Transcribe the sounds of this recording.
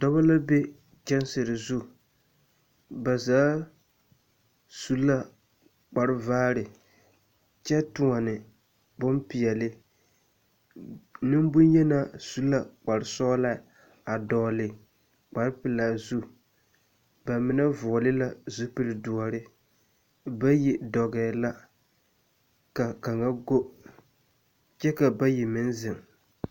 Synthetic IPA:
d̥ɔ˦ba˦la˦be˦ | d͡ʒɛ˦n˦sɪ˨ɾɪ˨zu˦ | ba˨zaː˨˦ | su˦la˦ | k͡pa˨ɾɪ˦vaː˦ɾɪ˨ | t͡ʃɛ˦tʊ˨ŋa˨nɪ˨ | bʊ˦mpi˨ɛ˨lɪ˦ | nɪ˦m˦bʊ˦njɛ˦na˨su˦la˨k͡pa˨ɾɪ˨sɔː˦la˦ | a˨dɔː˨lɪ˨ | k͡pa˨ɾɪ˦pɪ˨la˨zu˦ | ba˨mɪ˨˦na˦vɔ˨lɪ˦la˦zu˦pɨ˨lɪ˨du˨a˨ɾɪ˦ | ba˦ji˨dɔ˨ɡɛ˨la˦ | ka˨ka˨ŋa˦ɡo˦ | t͡ʃɛ˦ka˨ba˦ji˨mɪ˦nzɪ˨ŋ

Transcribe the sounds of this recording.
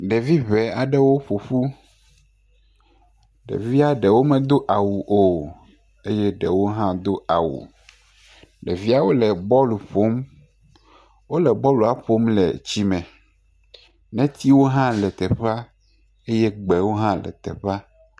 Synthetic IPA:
ɖɛ˨vi˦βɛ˨a˨ɖɛ˦wo˦ɸo˨ɸu˦ | ɖḛ˨vi˦a˦ɖɛ˨wo˦mɛ̃˨d̪o˦ʔa˨wu˨ʔo˨ | e˦jɛ˦ɖɛ̰˨wo˦ɦã˦d̪o˦a˨wṵ˨ | ɖɛ̰˨vi˦a˨wo˦lɛ˨bɔ˦lu˨ɸo˦m | wo˦lɛ˨bɔ˦lu˨a˨ɸo˦mlɛ̰˨t͡ɕi˦mɛ̃˨ | nɛ̃˦t̪ʰi˦wo˦ɦã˦lɛ˨t̪ɛ˨ɸa˦ | e˦jɛ˦ɡ͡bɛ˨wo˦ɦã˦lɛ̰˨t̪ɛ̰˨ɸa˦

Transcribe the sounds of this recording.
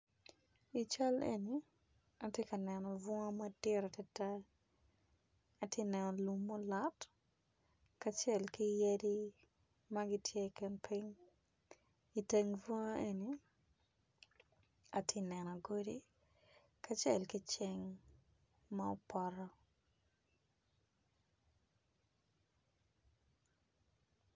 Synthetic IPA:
i˨t͡ʃa˦lḛ˨ni˨ | a˨tjɛ˦kɐ˨nɛ˨nɔ˨vɔ˦ŋa˦mɐ˦dɪ˦ɾa˨tɛ˦ta˦ | a˨tje˦nɛ˨nɔ˨lu˦mːɔ˦la˦t | ka˦t͡ʃɛ˨lkɪ˦je˦di˦ | mɐ˦ɡɪ˦tʰje˦kɪnpʰi˦ŋ | i˨te˦ŋfo˦ŋ˦e˨ni | a˨tʰɪ˦nɛ˨nɔ˨ɡo˦di | ka˦t͡ʃɛ˨lki˦t͡ʃɪ˦ŋ | ma˦o˦pɔɾɔ˦

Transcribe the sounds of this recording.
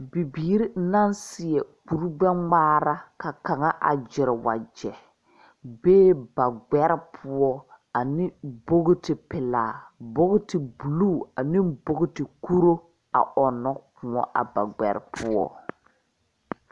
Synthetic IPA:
bi˨biː˨˦ɾi˦na˦nsɪ˨ɛ˨k͡pu˨ɾɡ͡bɛ˦ŋ͡maː˦ɾa˦ka˨ka˨ŋa˦ʔa̰˨d͡ʒɪ˨ɾɪ˨wa̰˨d͡ʒɛ˨ | beː˦ba˨ɡ͡bɛ˦ɾɪ˦pʰʊ˦ɔ˦ | a˨nɪ˦bo˦ɣtɪ˨pɪ˨laː˨bo˦ɣʊ˦tɪ˨bu˨luː˦˨a˨nɪ˦bo˦ɡɪ˦tɪ˨ku˦ɾo˦ | a̰˨ɔ˨nɔ˦kʰʊ˨ɔ̰˦ʔa̰˨ba̰˨ɡ͡bɛ̰˨ɾɪ˨˦pʰu˦ɔ̰˦

